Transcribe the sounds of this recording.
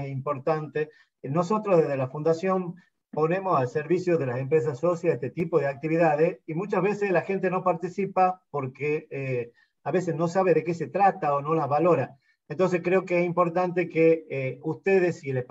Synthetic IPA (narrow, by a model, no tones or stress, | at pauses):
simpo̞ɾt̪ant̪e | no̞so̞t̪ɾozðeɦðelafund̪asjo̞m | po̞ne̞mosalseɾβisjoðelase̞mpɾes̬assːosjaeht̪et̪ipoð̞eak̚t̪iβiðaðesimut͡ʃazβeseslaxe̞nt̪e̞no̞paɾt̪isipapo̞ɾke | aβe̞sesno̞saβ̞eðekese̞t̪ɾat̪aono̞lazβalo̞ɾa | ent̪o̞ns̬e̞skɾeokeesimpo̞ɾt̪ant̪̬e̞keust̪eð̞esiele